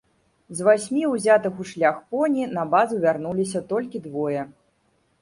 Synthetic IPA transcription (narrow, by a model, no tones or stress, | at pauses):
zvasʲmʲiwzʲat̪ɨxuʂlʲaxpɔnʲinɐbazuvʲarn̪ulʲis̬ʲɐt̪ɔlʲkʲid̪vɔjɛ